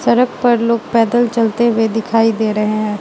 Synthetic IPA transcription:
sɐɾək̚pɐɾloːɡ̚pɛːd̪əlt͡ʃɐlt̪ewed̪ɪkʰaːid̪eːɾɐɦẽɦɛ̃ː

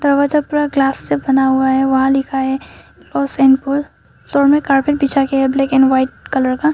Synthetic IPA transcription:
d̪ɐɾʋad͡ʒək̚puːɾaɡlaːsːebɐnaɦuaɦɛʋɐɦãlɪkʰaɦɛlɔːsɛ̃ːɳɖpul | sɔːɾmẽkaːɾpeʈ̚bit͡ʃʰakeɦɛblɛːkɛ̃ːnʋaːɪʈ̚kɐləɾka

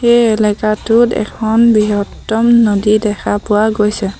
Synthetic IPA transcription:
xejɛlɛkatʊtɛ̰kʰɔnbiɦɔtːɔmnodidɛkʰapʊwaɡojsɛ

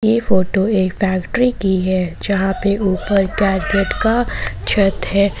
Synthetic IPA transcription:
jefoːʈoeːkfɛːkʈɾikiɦɛːd͡ʒɐɦãpeʔuːpəɾɡɛːɾɡeʈkat͡ʃʰɐt̪ɦɛː

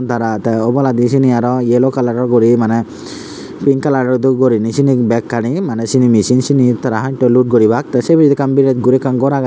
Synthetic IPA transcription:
nt̪aɾat̪ɛɔbɔlad̪isiniaɾɔjelokalaɖɔɾɡɔɾimanɛ | piŋkalaɖɔɾd̪uɡoɾinisinikbɛkːaɽ̃imanɛsinimisinsinit̪aɾaɦãʈɔluʈ̚ɡoɾibak̚t̪asebid͡ʒid̪ikambiɾɛt̪̚ɡuɾikanɡɔɾaɡa

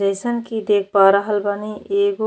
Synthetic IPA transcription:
eːsənkid̪eːk̚ʰbaːɾaɦəlbaːniʔeːɡo

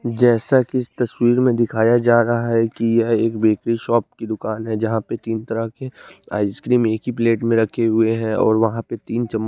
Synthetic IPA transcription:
d͡ʒɛːsakɪst̪ɐswiːɾmẽd̪ɪkʰaːjad͡ʒaːɾɐɦaɦɛkijɐeːkbeːkɾiʃɔːp̚kid̪ʊkaːnɦɛd͡ʒɐɦãpet̪iːnt̪ɐɾəɦkea̰ːɪskɾiːmeːkɦipleːʈmẽɾɐkʰeɦʊeɦɛ̃ɔ̰ːɾʋɐɦãpet̪iːnt͡ʃɐmː

